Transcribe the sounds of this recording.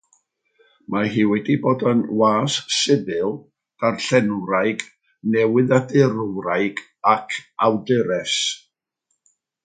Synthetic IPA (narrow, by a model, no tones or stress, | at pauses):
maɦiːwɛdiboːdənwaːsːɪðɨlˠ | ɡ̥arɬɛnɾajɡ | nɛwɪðadɪɾwɾajɡ | akʰawdɪɾɛs